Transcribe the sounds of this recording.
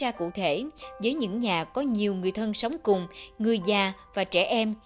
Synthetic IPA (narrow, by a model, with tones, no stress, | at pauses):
aː˧kṵ˧˨t̪ʰe˧˩vəː˨˦jɲɨ̰˧˥ŋɲaː˨˩kɔ˨˦ɲi˨˩əwŋɨ˨˩əjt̪ʰə˧nsə˨˦wŋ͡mkʊ˨˩ŋ͡mŋɨ˨˩əjzaː˨˩vaː˨˩t͡ɕɛ˧˩ʔɛ˧m